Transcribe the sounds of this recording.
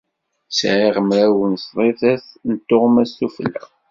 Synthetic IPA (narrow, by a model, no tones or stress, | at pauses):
sʕiʁəmɾæwənsðˤeθæθnət̪ːoʁmæsːuflːæ̰